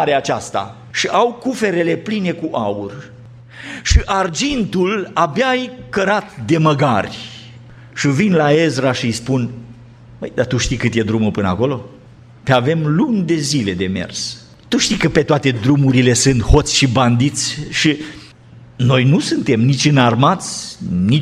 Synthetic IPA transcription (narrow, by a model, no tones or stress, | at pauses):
ɾeat͡ʃast̪a̰ | ʃiʔawkufe̞ɾe̞le̞pline̞kuʔaur | ʃiʔard͡ʒint̪ulabjajkəɾat̪d̪e̞məɡarʲ | ʃivinlaezɾaʃijspun | pəjd̪at̪uʃt̪ijkɨt̪je̞d̪ɾumupɨnəa̰ko̞lo̞ | peave̞mlund̪e̞zile̞d̪e̞me̞̰rs | t̪uʃt̪ijkəpe̞t̪oat̪e̞d̪ɾumuɾile̞sɨnt̪ho̞t̪sʲʃiband̪it̪sʲʃi | no̞jnusɨnt̪e̞mnit͡ʃɨnarmat̪sʲni